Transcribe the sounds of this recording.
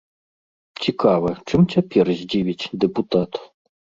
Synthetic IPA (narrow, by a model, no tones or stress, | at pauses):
t͡sʲikavɨt͡ʂɨmt͡sʲapʲɛrzʲd͡zʲivʲit͡sʲd̪ɛput̪at̪